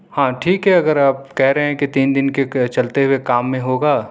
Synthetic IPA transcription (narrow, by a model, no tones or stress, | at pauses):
hãːʈʰiːkɦɛɐɡəɾaːp̚kɛɦɾɐɦeɛ̃kit̪iːnd̪ɪnket͡ʃɐlt̪eɦʊwekaːmːẽɦoːɡaː